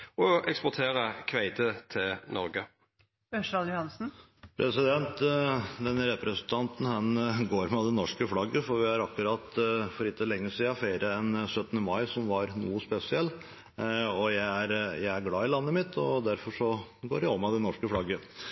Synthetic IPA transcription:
ɔɛkspɔt̪ʰeːɾəkʰʋæɪt̪ʰət̪ʰɪlnɔ̰ɾɡə | øʂɾɑljʊhɑnsn̩ | pʰɾʔɛsɪd̪ɛnt̪d̪ɛnɾɛpɾɛsənt̪ʰɑnt̪n̩hɛnɡoːɾmɛɑd̪ɛnːɔʂkəflɑɡːəfɔɾʋɪɑɾɑkːʉɾɑt̪fɔɾɪt̪ːəlɛŋːəsiːɑfeɪɾʔəɛnsœt̪ːənəmɑɪsɔmʋɑɾnuːəspɛsɪɛlː | ɔjæɪæɾjæɪæɾɡlɑːɪlɑnːəmɪt̪ʰːɔd̪æɾfɔʂɔɡoːɾjæɪɔmːɑd̪ɛnɔʂkəflɑɡːə

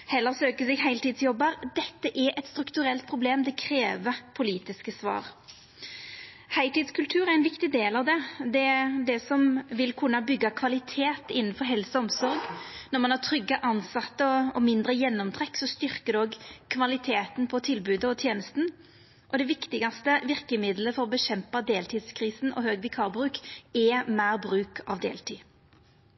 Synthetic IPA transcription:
hɛlːəʁsøːkəsɛɡɦæɪlt̪iːd̪sjɔbːəɾd̪ɛt̪ːəʔɛʔɛt̪st̪ɾʉkt̪ʉʁɛlt̪̚pʰʁʊbleːmd̪ɛkʰɾeːʋəpʰʊliːt̪ɪskəsʋɑ̰ːʁ | hæɪt̪iːd̪skʉlt̪ʰʉːɾæʁɛnʋɪkt̪ɪd̪eːlɑʋd̪ɛd̪ɛd̪ɛsɔmʋɪlkʰʉnːɑbʏɡːɑkʰʋɑlɪt̪ʰeːt̪ɪnːənfɔɾɦɛlsɔɔmsɔɾɡnɔʁmɑnhæt̪ʰɾʏɡːəʔɑnsɑt̪ːəɔɔmɪnd̪ɾəjɛnːɔmt̪ʰʁɛkːsɔst̪ʏɾkəd̪ɔːɡkʰʋɑlɪt̪ʰeːt̪n̩pʰɔt̪ʰɪlbʉːd̪əɔt̪ʰjeːnəst̪n̩ | ʔɔd̪ɛʋɪkt̪ɪɡɑst̪əʋɪɾkəmɪd̪ləfɔʁɔbəɕɛmpɑd̪eːlt̪ʰiːd̪skʰɾiːsnʔɔ̰ɦøːɡʋɪkʰɑːʁbʁʉːkɛmæːɾbɾʉːkʰɑ̰ʋd̪ḛːlt̪ʰiː

